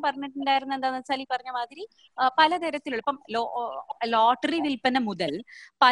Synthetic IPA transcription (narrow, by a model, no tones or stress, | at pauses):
pɐrɐɲːuʈːuɳɖaːjiɾunuend̪aːnɐsɐːlipːɐrɐɲːɐmaːd̪iɾi | pɐlɐd̪eɾɐt̪ːiluɭɐpːɐmloloːʈːɐriʋilpɐnɐmuðɐlpɐ